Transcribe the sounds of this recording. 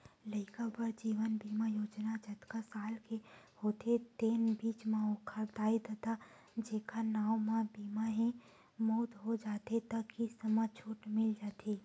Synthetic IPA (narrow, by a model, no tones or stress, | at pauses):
lɐɪkapəɾd͡ʒiːʋənbiːmajoːd͡ʒnad͡ʒɐt̪kasaːlkehoːt̪et̪eːnbiːt͡ʃmãokʰəɾd̪aːid̪et̪a | d͡ʒeːkanaːwmãbiːmaɦẽ | moːd̪ɦod͡ʒaːt̪et̪ɐkisəmat͡ʃʰuːʈmɪld͡ʒaːt̪ʰi